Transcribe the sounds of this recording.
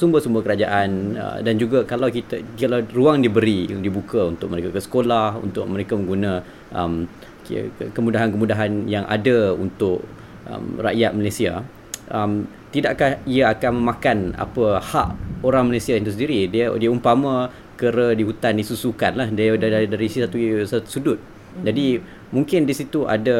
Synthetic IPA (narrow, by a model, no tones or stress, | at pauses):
sumbəsumbəkəɾad͡ʒaʔanə̰dand͡ʒuɡakalawkit̪akalaruaŋdibəɾidibukaunt̪ʊk̚məɾekakəsə̥kolahṵnt̪ʊʔ̚məɾekamə̃ŋɡunã | ʔə̰m̰ | kəmudaɦankəmudaɦanjaŋʔa̰daṵnt̪ʊʔ | ʔə̰mra̰ʔjat̪̚malesia | ʔəm | t̪idaʔkahiaakanmə̃mãkana̰pəhaʔoɾaŋməlasiajaŋt̪usəndiɾididiaumpamã | kəɾədiɦut̪andisusukanlahddaɾisisat̪usat̪sudʊt̪̚ | d͡ʒadi | muŋkɪndisit̪uʔa̰da